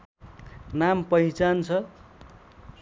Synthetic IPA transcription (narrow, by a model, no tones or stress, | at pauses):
nampʌit͡sant͡sʰʌ